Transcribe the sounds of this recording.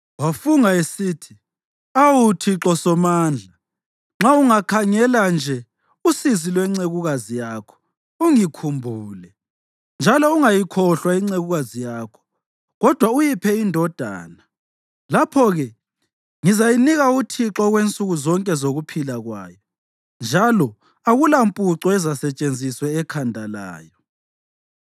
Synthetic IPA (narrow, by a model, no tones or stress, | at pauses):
wafuŋaesiːtʰi | awutʰiǁɔsɔmaːnd͡ɮʱa | ŋ͡ǁauŋakʰaŋɛland͡ʒʱɛ | usizilwɛŋ͡ǀeɣuɣazijakʰɔ̥ | uŋikʰumbʱuːlɛ | nd͡ʒʱalɔuŋajikʰɔɬwaiŋ͡ǀeɣuɣazijaːkʰɔ̥ | ɣɔd̥ʱwaujipʰɛindʱɔd̥ʱa̰ːna | lapʰɔɣɛ | ŋizajiniɣautʰiǁɔɣwent͡sʼuɣuzɔŋkʼɛzoɣupʰilaɣwa̰ːjɔ | nd͡ʒʱalɔ | aɣulampʼuǀɔɛzasɛt͡ʃʼend͡zʱiswɛːkʰandʱala̰ːjɔ